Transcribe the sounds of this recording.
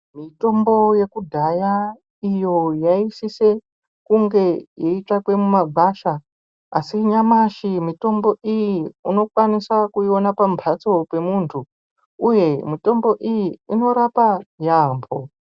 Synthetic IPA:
mito̞mbo̞je̞kudʱaja | ijo̞jaisise̞ | kuŋɡe̞jeiʈ͡ʂakwe̞mumaɡʱaʃa | asiɲamaʃimito̞mbo̞ʔijiuno̞kwanisakuio̞napampʰat͡so̞pe̞muntʰu | uje̞mito̞mbo̞ʔijiːno̞ɾapajambʱo

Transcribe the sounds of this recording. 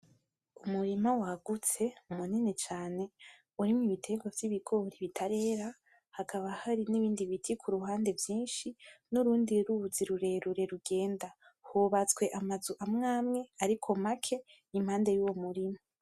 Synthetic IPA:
umuɾimawaɡut͡se̞umuninit͡ʃaːne̞ | uɾimŋiβitʰe̞ːŋɡwavjiβiɡo̞ɾiβitʰaɾe̞ːɾa | hakʰaβahaɾiniβiːndiβitʰikʰuɾuɦaːnde̞vjiːnʃinuɾuːndiɾuuziɾuɾe̞ɾuɾe̞ɾuɡe̞ːndahuβat͡swe̞ʔamazuʔamŋaːmŋe̞aɾikʰo̞makʰe̞ | imhaːnde̞juːwomuɾima

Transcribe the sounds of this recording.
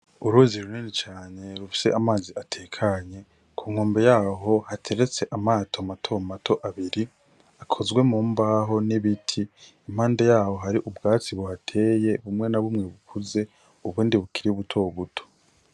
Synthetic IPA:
uɾuziɾuninit͡ʃaːɲe̞ɾufi̥se̞̰ʔamaːziʔatʰeːkʰaɲe̞ | kʰuːŋoːmbe̞jaːɦo̞hatʰe̞ɾet͡se̞ʔamaːtʰo̞matʰo̞mmatʰo̞ʔaβiɾi | akʰo̞zɡwe̞muːmbaɦo̞niβitʰi | im̥haːnde̞jaːho̞ɦaɾiʔubɡaːt͡siβuhatʰe̞ːje̞βumŋe̞naβumŋe̞βukʰuze̞ | uβuːndiβukiɾiuβutʰoβutʰo̥

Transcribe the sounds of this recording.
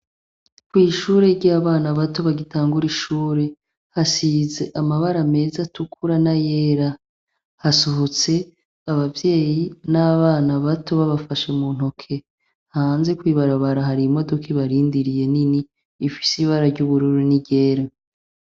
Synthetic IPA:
kwiːʃuːɾe̞ɾɟaːβaːnaβato̞βaɡitaːŋɡuɾiʃuːɾe̞ | hasize̞ʔamaβaɾame̞ːzatukʰuɾanajeːɾa | hasoɦot͡se̞ | aβavje̞ːjinaβaːnaβato̞βaβafaʃe̞mun̥okʰe̞ | haːnze̞kwiːβaɾaβaɾaɦaɾimo̞do̞kʰeβaɾiːndiɾije̞niniː | fi̥siβaɾaɾɟuβuɾuɾuniɟe̞ːɾa

